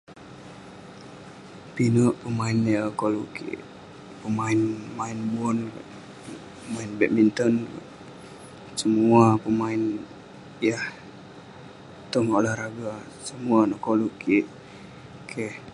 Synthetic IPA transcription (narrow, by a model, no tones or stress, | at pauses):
pinəʔpəmaɪnakoluʔkḭʔ | pəmaɪnmaɪnbɔnka̰ | pəmaɪnbɛt̪̚mint̪ɔnka̰n | səmuapəmaɪn | jah | t̪ɔŋolahɾaɡa | səmuanakoluʔkiʔ | kʰeh